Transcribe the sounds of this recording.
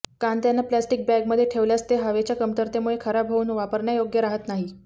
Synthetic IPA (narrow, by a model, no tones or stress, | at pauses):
kant̪janːaplæsʈik̚bæɡməd̪ʱːjeʈʰeʋljast̪eɦəʋet͡ɕjakəmt̪əɾt̪emuɭekʰəɾabʱɦəuːnʋapəɾɳjajoɡjəɾaɦət̪naɦi